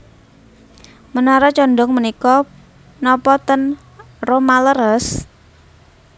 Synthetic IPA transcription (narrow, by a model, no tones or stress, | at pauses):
mənaɾat͡ʃɔnɖɔŋmənikɔ | nɔpɔt̪ən | romaləɾəs